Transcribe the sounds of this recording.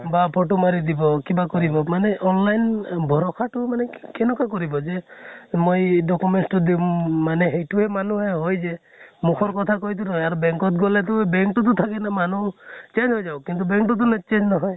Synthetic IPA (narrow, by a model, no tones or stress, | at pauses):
bapʰoʈumaɾid̪ibɔkibakɔɾibɔmaneʔɔnlajnbʱɔɾɔkʰaʈumanekenɔkakɔɾibɔd͡ʒemojɖɔkumeɳsʈɔd̪imːaneɦejʈuɦemanuɦeɦojd͡ʒe | mukʰɔɾɔkɔt̪ʰakɔɦit̪̬uɾɔjaɾɔbeŋkɔt̪ɡɔlet̪̬ubeŋkʈut̪̬ut̪ʰakenamanut͡ʃend͡ʒɦojd͡ʒawkint̪ubeŋkʈut̪̬unet͡ʃend͡ʒnɔɦɔj